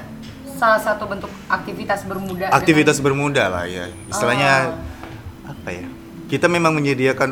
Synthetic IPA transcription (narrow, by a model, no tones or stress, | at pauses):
salahsat̪ubənt̪ʊkak̚t̪ifit̪asbərmudaakt̪ifit̪as̬bərmudahla̰hja̰ | ist̪ilahɲa | apaja | kit̪amemaŋməɲədiakan